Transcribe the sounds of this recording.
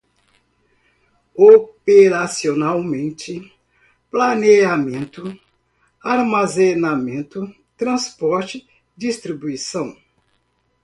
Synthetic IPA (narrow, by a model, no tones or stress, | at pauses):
opeɾasionawmẽnt͡ʃɪ | planeʒamẽnt̪ʊ | aɾmazẽnamẽnt̪ʊ | t̪ɾɐ̃spɔɾt͡ʃɪ | d͡ʒist̪ɾibuisɐ̃w̃